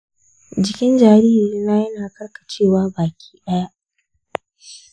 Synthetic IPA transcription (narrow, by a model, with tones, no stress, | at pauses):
d͡ʒɪ˨kʲɪ˦nd͡ʒaː˨ɾiː˦i˨˦naː˦jɐ˦naː˨kɐ˦ɽka˨t͡ʃeː˦˨waː˦baː˨kʲi̥ː˦ɗɐ˦ja˦ʔ